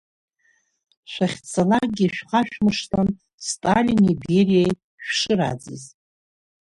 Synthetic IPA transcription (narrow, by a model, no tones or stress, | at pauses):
ʃʷaχʲt͡sʰalarɡʲiʃᶣqʰʼaʃᶣmɨʂtʰan | stʼalʲiniberijaj | ʃᶣʂɨɾa̰d͡zɨz